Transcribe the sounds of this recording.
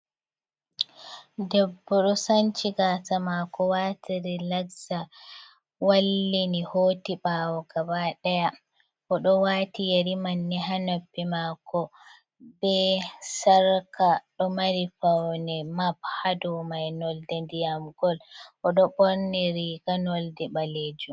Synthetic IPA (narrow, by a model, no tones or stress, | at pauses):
dɛbːɔɗɔsant͡ʃiɡaːtamakɔwatʰiɾilaɡza | walːinihoːtiɓawɔɡabaɗɛja | ʔɔɗɔwaːtijeɾimanːɛɦanobːimakɔ | bɛsaɾkaɗɔmaɾifawnɛmabhadɔmajnɔldɛndijamɡ̥ɔlʔɔɗɔɓɔɾnɛɾiɡanɔldɛɓaleːd͡ʒum